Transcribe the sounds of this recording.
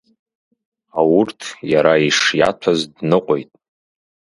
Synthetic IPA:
awʊrtʰjaɾaiʂja̰tʷʰazdnɨqʷʼojtʼ

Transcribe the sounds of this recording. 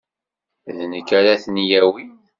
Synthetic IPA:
ðnəkːæɾæθnjæwin

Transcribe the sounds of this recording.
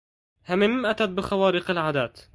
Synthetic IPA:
hamɪmːʔat̪at̪̚bɪxawaːɾɪqɪlʕaːd̪aːt̪

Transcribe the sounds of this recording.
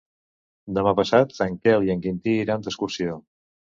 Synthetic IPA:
d̪əmapəsat̪saŋkɛlˠiəŋkint̪iːɾant̪əskuɾsio

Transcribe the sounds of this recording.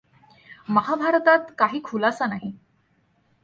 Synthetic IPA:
məɦabʱaɾt̪at̪kaɦiːkʰulasanaɦi

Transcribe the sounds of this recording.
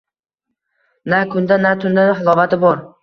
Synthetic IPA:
nakʰʊnd̪anat̪ʰʊnd̪anɪχɪlˠɒvat̪ʰɪbɒɾ

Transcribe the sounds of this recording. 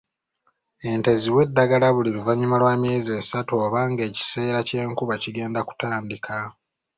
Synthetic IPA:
e̞nte̞ziwe̞dːaɡalaβuliluvaɲːumalwaːmje̞ːzeːsatoːβaːŋɡe̞ːci̥se̞ːɾace̞ːŋkuβaciɡe̞ːndaku̥taːndikʰa

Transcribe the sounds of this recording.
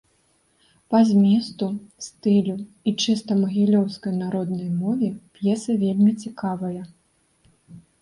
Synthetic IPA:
pazʲmʲɛst̪ust̪ɨlʲu | it͡ʂɨst̪ɐmɐɣʲilʲɔwskɐjnaɾɔd̪nɐjmɔvʲɛpʲjɛsɐvʲelʲmʲit͡sʲikavɐjɐ

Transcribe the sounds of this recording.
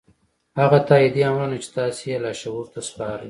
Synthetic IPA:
haɣat̪ɑid̪iamɾunat͡ʃe̥t̪ɑsejelɑʃawuɾt̪aspɑɾij

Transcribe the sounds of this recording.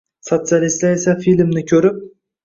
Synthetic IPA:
sot̪sijalist̪laesafilmnɪkʲʰɵɾɪp̚

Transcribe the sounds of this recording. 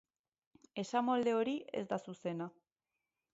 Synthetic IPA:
e̞samo̞ld̪e̞o̞ɾiʔe̞̰zd̪asuse̞na

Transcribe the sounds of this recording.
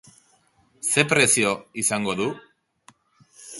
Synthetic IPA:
se̞pɾe̞sio̞isaŋɡo̞ðu

